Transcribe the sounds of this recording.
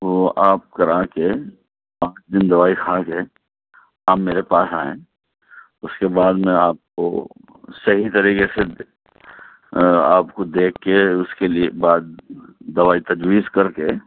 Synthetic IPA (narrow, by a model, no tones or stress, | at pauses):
ʋoʔaːp̚kɐɾaːke | pãːt͡ʃd̪ɪnd̪ɐʋaːikʰaːke | aːmeːɾepaːsa̰ːḛ̃ | ʊskebaːd̪mẽaːp̚ko̰ | sɐɦit̪ɐɾiːkese | a̰ːpkod̪eːkʰːeʊskeliebaːd̪̚ːɐʋaːit̪ɐd͡ʒwiːzkɐɾke